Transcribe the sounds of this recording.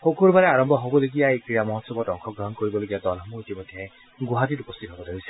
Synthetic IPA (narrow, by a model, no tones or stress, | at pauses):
xokuɾbaɾɛaɹɔmbʱɔɦobɔloɡijaekɹijamɔɦɔtsɔbɔtɔŋkʰɔɡɹɔɦɔnkoɹibɔloɡijadɔlɦmuitimɔjd̪ʱjɛ | ɡuɦat̪itupɔst̪ʰitɦɔbɔdaisɛ̥